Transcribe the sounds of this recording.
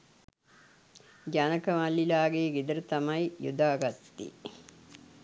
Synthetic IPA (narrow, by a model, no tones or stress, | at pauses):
d͡ʒɐnɐkəʋalːilaːɡeːɡid̪ɐɾɐt̪ɐmɐjjṵd̪aːɡɐt̪t̪ḭ